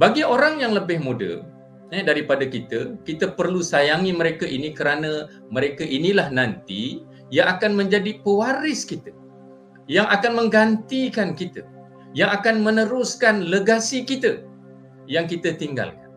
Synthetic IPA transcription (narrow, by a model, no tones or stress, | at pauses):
baɡioɾaŋjaŋləbɪhmudə̰ | ədaɾipadəkit̪əkit̪əpərlusajaŋiməɾekaʔinikəɾanə̃ | məɾekəʔinilahnant̪i | jaʔakanmə̃ɲd͡ʒadipəwaɾɪskit̪ə | jaŋʔakanməŋɡant̪ikankit̪ə | jaŋakanmənəɾʊskanləɡasikit̪ə | jaŋkit̪ət̪iŋɡa̰lkan